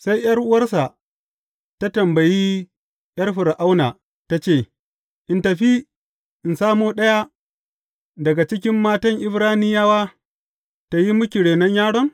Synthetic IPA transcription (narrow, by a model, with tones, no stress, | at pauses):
sa˦jjɐ˦rʔʊ˦wɐ˦rsa˨ | ta˦tɐ˨mbɐ˨jiː˦ | jɐ˦rɸɪ˨ɾa˨ʔa˦wnaː˨ | ta˦t͡ʃeː˦˨ | ʔɪ˨ntɐ˨ɸi˦ | ʔɪ˨nsaː˦moː˦ɗɐ˦ja˦ | dɐ˨ɡa˨t͡ʃɪ˦kʲɪ˦mːaː˦tɐ˦ŋʔɪ˦bɾaː˦nɪ˦jaː˦waː˦ | ta˨ji˦mʊ˦kʲɪ˨ɽeː˨nɐ˦ɲjaː˦ɽɔ˦ŋ